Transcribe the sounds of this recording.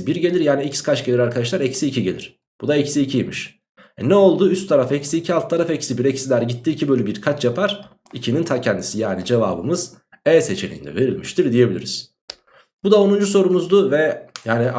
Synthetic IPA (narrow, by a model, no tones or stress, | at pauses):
biɾɟe̞lʲiɾjaːniecsi̥kʰat͡ʃɟe̞lʲiɾaɾkʰad̪aʃ̬lˠaɾecsiːcʰiɟe̞lʲḭɾ̥ | b̥ud̪aecsiːcʰijmiʃ | ɛnɛo̞lˠd̪uːyst̪ʰːaɾafɛcsiːcʰialˠt̪t̪ʰːaɾafɛcsibiɾecsilʲæɾɟit̪ʰːiːcʰibølʲybiɾkʰat͡ʃjapʰaɾ̥ | icʰinint̪ʰacʰɛnd̪isijaːnid͡ʒe̞va̰ːbɯ̰mɯz̥ | ɛse̞t͡ʃʰe̞nʲḭjind̪ɛ̰ve̞ɾilʲmiʃt̪ʰiɾd̪ije̞bilʲḭɾiz̥ | b̥ud̪aonund͡ʒuso̞ɾumuzd̪uvɛjaːni